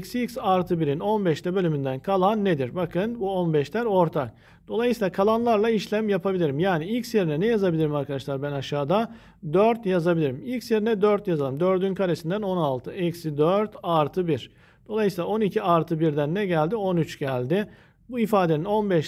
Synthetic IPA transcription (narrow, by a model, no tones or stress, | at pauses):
csicsaɾt̪ʰɯbiɾino̞nbɛʃt̪ɛbølʲymynd̪ænkʰalˠanːed̪iɾbakʰɯnbuo̞nbɛʃlʲæɾo̞ɾt̪ʰak̚ | d̪̥o̞lˠajɯsiːlˠakʰalˠanlˠaɾlˠaiʃlʲæmjapʰabilʲiɾimjaːniicsjeɾinɛnɛjazabilʲiɾimaɾkʰad̪aʃlˠaɾbænaʃaːd̪a | d̪øɾt̪jazabilʲiɾimilʲcsjeɾinɛd̪øɾt̪jazalˠɯmd̪ø̞ɾd̪ynkʰaɾesind̪æno̞nalˠt̪ʰɯɛcsid̪øɾt̪ʰaɾt̪ʰɯbiɾ̥ | d̪̥o̞lˠajɯsilˠao̞nicʰiaɾt̪ʰɯbiɾd̪ænːɛɟælʲd̪io̞nyt͡ʃɟ̥ælʲd̪ɪ | buifaːd̪enino̞nbɛʃ